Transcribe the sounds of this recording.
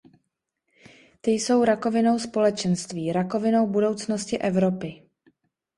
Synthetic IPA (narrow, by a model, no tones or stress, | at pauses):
t̪ɪjso̞wɾako̞vɪno̞wspo̞lɛt͡ʃɛnst̪viːɾako̞vɪno̞wbudo̞wt͡snoscɪʔɛvɾo̞pɪ